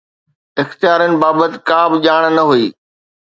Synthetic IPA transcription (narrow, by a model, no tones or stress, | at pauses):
ɪxt̪jaːɾənɪ̆baːbət̪ɪ̥̆kaːbɪʄaːɽ̃nɐɦuiː